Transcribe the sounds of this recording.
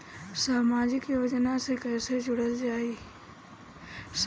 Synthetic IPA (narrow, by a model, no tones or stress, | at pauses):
saːmaːd͡ʒɪkiʋɐd͡ʒnãsekɛːsed͡ʒʊɽəld͡ʒaːeː | s